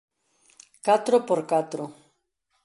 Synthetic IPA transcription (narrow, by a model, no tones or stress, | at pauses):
kat̪ɾopoɾkat̪ɾo